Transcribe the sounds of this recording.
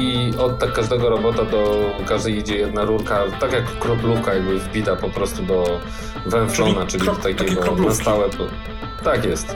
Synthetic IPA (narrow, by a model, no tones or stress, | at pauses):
iɔt̪t̪ːakːaʐd̪ɛɡɔɾɔbɔt̪ad̪ɔkaʐd̪ɛjid͡ʑɛjɛd̪naɾuɾkat̪akjakkːɾɔplukajaɡbɘvbʲid̪apɔpɾɔst̪ud̪ɔ | vɛɱflɔnat͡ʂɘlʲit̪akʲɛɡɔnast̪awɛpɔ | t̪ːakjɛst̪